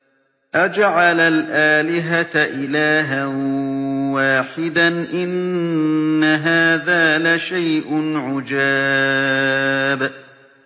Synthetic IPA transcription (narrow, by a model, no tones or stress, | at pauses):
ʔad͡ʒaʕalalʔaːlɪɦat̪ʔɪlaːɦan | waːħɪd̪anʔɪnː | aɦaːðaːlaʃajʔʊnʕʊd͡ʒaː | b